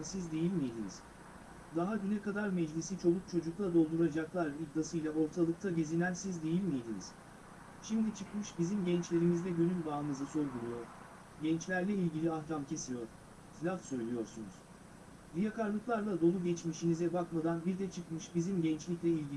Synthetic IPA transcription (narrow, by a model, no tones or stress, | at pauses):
sizd̪e̞jilʲmijd̪iniz̥ | d̪aɦaɟynɛkad̪aɾmɛd͡ʒlʲisit͡ʃʰo̞lˠuk̚t͡ʃʰo̞d͡ʒuklˠad̪o̞lˠd̪uɾad͡ʒaklˠaɾlʲib̚d̪asɯjlʲˠaʔo̞ɾt̪ʰalˠɯk̚t̪ʰaɟezinænsizd̪e̞jilʲmijed̪inḭz̥ | ʃimd̪it͡ʃʰɯkmɯʃbizimɟɛnt͡ʃlʲe̞ɾimizd̪ɛɟø̞nylʲbaːɯnɯzɯso̞ɾd̪uɾujo̞ɾ̥ | ɟɛnt͡ʃlʲæɾlʲɛilʲɟilʲiahcamcʰe̞sijo̞ɾ̥ | slʲafsø̞jlʲijo̞ɾsunuz̥ | ɾijakʰaɾlˠɯklˠaɾlˠad̪o̞lˠuɟɛt͡ʃmiʃinizɛbakmad̪anbiɾd̪ɛt͡ʃʰɯkmɯʃbizimɟɛnt͡ʃlʲiclʲɛilʲɟi